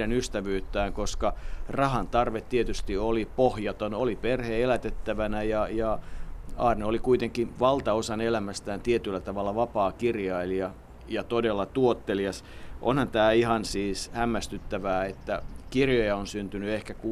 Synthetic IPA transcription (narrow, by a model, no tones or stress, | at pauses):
ænyst̪æʋyːt̪ːæːŋkoskɑrɑhɑnt̪ɑrʋet̪t̪ːiet̪yst̪iolipohjɑt̪onoliperheelæt̪et̪ːæʋænæjɑjɑ | ɑ̰ːrneolikuit̪eŋkiʋɑlt̪ɑosɑnelæmæst̪æːnt̪iet̪ylːæt̪ɑʋɑlːɑʋɑpɑːkirjɑiliɑ | jɑt̪odelːɑt̪uot̪ːeliɑs | ʔo̰nhɑnt̪æːihɑnsiːshæmːæst̪yt̪ːæʋæːet̪ːækirjojɑonsynt̪ynyehkæku